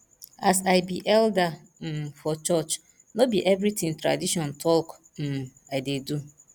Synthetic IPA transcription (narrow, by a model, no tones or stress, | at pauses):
asaɪbiʔɛlda | m̩fɔt͡ʃɔt͡ʃ | nobiʔɛvɾitĩŋtɾa̰diʃɔ̃ntʰɔk | m̩ | aɪdedu